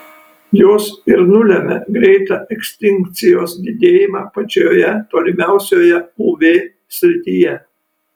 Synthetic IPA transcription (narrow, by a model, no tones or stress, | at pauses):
joːsɪɾnʊlʲɛmʲɛ̰ɡɾʲɛɪt̪ɑʔɛksʲt̪ʲɪŋʲkt̪sʲɪjoːsd̪ʲɪd̪ʲeːjɪmɑːpɐt͡ʃʲoːjɛt̪oːlʲɪmʲæˑʊsʲoːjɛuʋʲeː | sʲɾʲɪt̪ʲiːjɛ